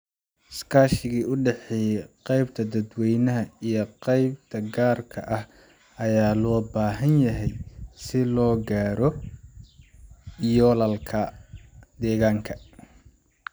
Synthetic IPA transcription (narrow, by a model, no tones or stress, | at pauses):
skʰaːʃɪɣiːʔʊɖɛħɛjɛqɛjbt̪ʰɐd̪ɐd̪wɛjnɐɦɐijɔqɛjb̚t̪ʰɐɡaːrkʰɐʔɐh | ɐjaːlɔːbaːɦɐnjɐɦɛjsɪlɔːɡaːɾɔ | jɔːlɐlkʰɐ | d̪ɛːɣaːŋkʰɐ